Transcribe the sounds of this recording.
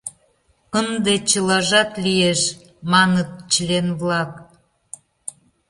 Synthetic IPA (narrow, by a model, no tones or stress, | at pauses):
ənd̪et͡ɕəlɑʒɑt̪lijeʃ | mɑnət̪̚t͡ɕəlenβlɑk